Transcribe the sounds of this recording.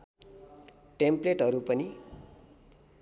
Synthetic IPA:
ʈempleʈɦʌɾupʌni

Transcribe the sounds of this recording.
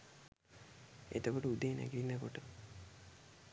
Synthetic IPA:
et̪okoʈəud̪eːnæ̰ɡilinːəkoʈə

